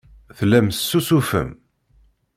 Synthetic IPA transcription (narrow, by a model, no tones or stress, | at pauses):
θlæmssːusufə̰m